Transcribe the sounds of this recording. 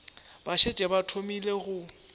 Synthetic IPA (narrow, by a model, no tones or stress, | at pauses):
baʃet͡ʃʼɛbatʰomileɣʊ